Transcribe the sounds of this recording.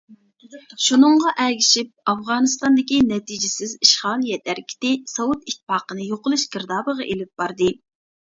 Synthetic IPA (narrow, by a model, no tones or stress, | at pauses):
ʃunɨɴʁɑʔɛɡʲiʃip̚ɑfʁɑːnɨst̪ɑnd̪ɪkʲinɛt̪ʰid͡ʒɪsɪziʃχɑlˠjɛt̪ʰæɾkʲʰi̥t̪ɪsɑwut̪it̪ʰːɪ̥pɑːqənɨjoqəlˠuʃkəɾd̪ɑːbəʁɑʔelɪp̚b̥ɑɾd̪ɨ